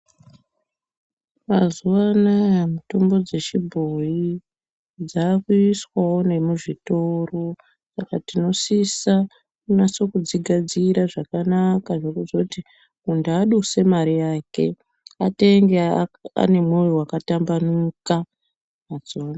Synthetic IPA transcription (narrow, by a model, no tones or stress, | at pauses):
mazuʋanajmutombo̞d͡ze̞ʃibʱo̞i | d͡zaːkuiswawo̞ne̞muʐito̞ro̞ | sakatino̞sisa | unaso̞kud͡ziɡʱad͡ziɾaʐakanakaʐokuzouti | undaɗuse̞maɾijaːke̞ | ate̞ŋɡea̰ne̞mwuwiwakatambanuka | maz̥uana